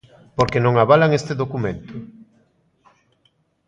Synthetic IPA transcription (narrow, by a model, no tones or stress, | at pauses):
poɾkenõŋaβalaŋest̪eðokumẽnt̪ʊ